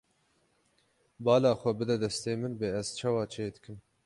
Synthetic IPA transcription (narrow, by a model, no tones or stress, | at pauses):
bɑːlaːxʷɛbɨd̪ɛd̪ɛst̪eːmɨnbeːɛz̥t͡ʃʰɑːwɑːt͡ʃʰeːd̪ɨkɨm